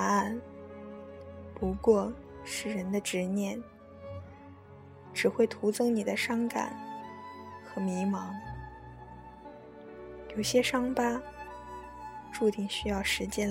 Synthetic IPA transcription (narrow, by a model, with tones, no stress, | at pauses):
a˥˩n | pu˧˥kwɔ˥˧ | ʂɻ̩˥˩ɻə˧˥nd̪ə˧ʈ͡ʂɻ̩˧˥njɛ˥˩n | ʈ͡ʂɻ̩˨˩xwe˥˩ɪt̪ʰu˧˥t͡sɤ˥ŋni˨˩d̪ə˦ʂɑ˥ŋka̰˨˩˦n | xɤ˧˥mi˧˥mɑ˧˥ŋ | jo˨˩ʊɕjɛ˥ʂɑ˥ŋpa˥ | ʈ͡ʂu˥˧t̪i˥˩ŋɕy˥jɑ˥˩ʊʂɻ̩˧˥t͡ɕjɛ˥n